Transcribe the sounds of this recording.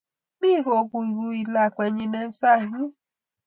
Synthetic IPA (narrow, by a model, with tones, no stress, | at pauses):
mi˦ɦo˨kʷu˨ɡu˧i˨la˨kʷe˨ɲi˧ne˦n̩˦sa˦˨ɦi˦